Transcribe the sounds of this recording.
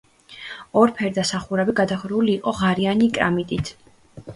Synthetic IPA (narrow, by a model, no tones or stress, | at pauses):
ɔɾpʰɛɾd̪asaχuɾɛbiɡad̪aχɾuliːqʼɔʁaɾianikʼɾa̰mit̪ʼit̪ʰ